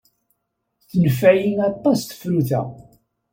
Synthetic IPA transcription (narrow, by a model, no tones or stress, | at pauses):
θnəfæjinɑt̪ˤːɑsθə̥fɾuθæ̰